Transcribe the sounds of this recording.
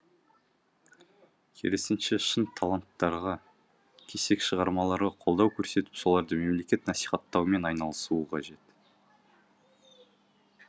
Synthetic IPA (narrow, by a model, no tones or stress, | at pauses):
kʲʰe̞̰ɾesɪnʃeʃənt̪ʰalˠant̪ːɑɾʁɑ | kʲʰe̞se̞kʃəʁɑɾmɑlˠɑɾʁɑqʰolˠd̪ɑwkʲʰɵɾse̞t̪ɪ̥pso̞lˠɑɾd̪əme̞mle̞kʲe̞t̪nɑsi̥χɑt̪ːɑwme̞nɑjnɑlˠəsuəqʰɑʒe̞t̪